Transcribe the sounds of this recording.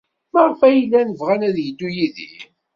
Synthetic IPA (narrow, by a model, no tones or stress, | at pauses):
maʁfæjəlːænəvʁænæðjəd̪ːujiðḭ